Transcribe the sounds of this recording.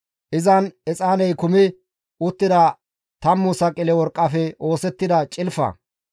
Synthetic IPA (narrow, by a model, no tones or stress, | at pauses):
ʔɪzɐnɛt͡sʼaːnɛjkʊmɪ | ʔʊt̪ːɪd̪ɐ | t̪ɐmːʊsɐkʼɪlɛwɔɾkʼːɐfɛo̞ːsɛt̪ːɪd̪ɐt͡ʃʼɪlfɐ̰